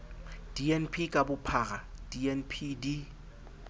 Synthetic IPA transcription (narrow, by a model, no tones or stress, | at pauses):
d̥iɛnpʰikʼabʊpʰaɣad̥iɛnpʰidi